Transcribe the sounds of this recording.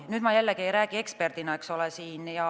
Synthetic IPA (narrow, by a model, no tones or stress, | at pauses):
nyd̪mɑjælːekiejɾæːɡie̞kspe̞rd̪̥inɑeksolesiːnjɑ